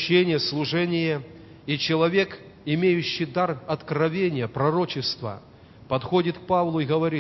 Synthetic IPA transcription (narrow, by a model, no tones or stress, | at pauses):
enʲɪjəslˠʊʐɛnʲɪjə | it͡ɕɪlˠɐvʲe̞k | ɪmʲejʉɕːɪjd̪arɐt̪kɾɐvʲenʲɪjəpɾɐɾo̞t͡ɕɪst̪və̰ | pɐt̪xo̞dʲɪt̪k̚pavlˠʊɪɣəvɐɾʲi